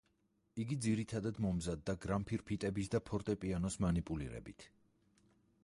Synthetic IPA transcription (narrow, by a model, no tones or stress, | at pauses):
iɡid̪ziɾit̪ʰad̪ad̪mɔmzad̪ːaɡɾampʰiɾpʰit̪ʼɛbisd̪apʰɔɾt̪ʼɛpʼianɔsmanipʼulḭɾɛ̰bit̪ʰ